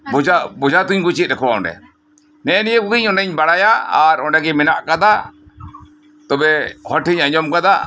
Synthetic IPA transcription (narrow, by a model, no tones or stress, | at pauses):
bɔabɔd͡ʒat̪uɲɡut͡ʃit̪̚ɾɛkʰɔwaɔ̰ɳɖɛ̰ | nɛnijəkubiɲɔɳɖɛɲbaɽajaaɾɔɳɖɛɡɛmɛnaʔkad̪a | t̪ɔbɛhɔʈiɲaɲɔmkad̪a